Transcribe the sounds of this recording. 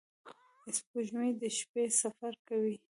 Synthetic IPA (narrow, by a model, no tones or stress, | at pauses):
ɪspuʒmid̪əʃpesafaɾkawi